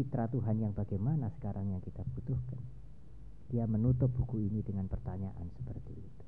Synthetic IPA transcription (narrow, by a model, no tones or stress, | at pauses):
it̪ɾat̪uɦanjaŋbaɡajmanasə̥kaɾʔaŋjaŋkit̪ab̥ut̪ʊhkan | d̥iamənut̪ʊp̚bukuinidəŋanpərt̪aɲaʔa̰nsə̥pərt̪ḭːt̪u̥